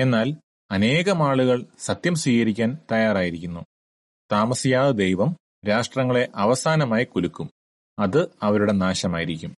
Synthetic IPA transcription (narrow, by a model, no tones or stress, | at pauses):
e̞nːaːl | ɐne̞ːɣɐmaːɭuɣɐɭsɐt̪jɐmswiːɣɐɾikʲːaːnt̪ɐjaːraːjiɾikʲːunːu | t̪aːmɐsijaːðɨd̪ejʋɐm | ɾaːʂʈrɐŋːɐɭe̞ʔɐʋɐsaːnɐmaːjikulukːum | ɐðɨɐʋɐɾuɽe̞naːɕɐmaːjiɾikʲːum